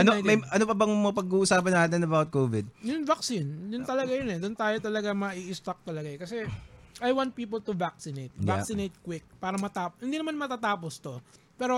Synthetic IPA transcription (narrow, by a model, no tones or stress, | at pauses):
ʔɐnmɐjʔɐnopɐbɐŋmɐpɐɡuːʔʊsaːpɐnːaːt̪ɛnɐbawt̪̚koːvɪd̪̚jʊnvɐk̚sinjʊnt̪ɐlɐɡajʊnɛd̪ʊnt̪aːjo̞t̪ɐlɐɡamɐʔiʔɪst̪ɐk̚t̪ɐlɐɡakɐsɛʔajwant̪̚piːp̬ɐlt̪ʊvak̚sɪnejt̪̚jaksɪnejt̪̚kwɪk̚paːɾɐmɐt̪aːphɪnd̪iːnɐmanmɐt̪aːt̪aːpost̪o̞ | pɛːɾo̞